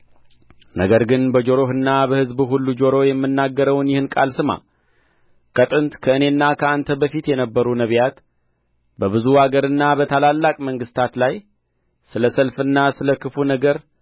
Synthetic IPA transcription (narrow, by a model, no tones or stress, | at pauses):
nəɡəɾɡɨnbəd͡ʒo̞ɾo̞ɦɨnːabəhɨzbuɦulːud͡ʒo̞ɾo̞jɛmːɨnːaɡːəɾəwnjɪhɨnkʼalsɨma̰ | kʰʼət̪ʼɨnt̪kʰəɨne̞nːakʰəant̪ʰəbəfit̪jɛnəbːəɾunəβjat̪ | bəβɨzuaɡəɾɨnːabət̪ʰalalːakʼməŋɡɨst̪ʰat̪laj | sɨləsəlfɨnːasɨləkʰɨfunəɡəɾ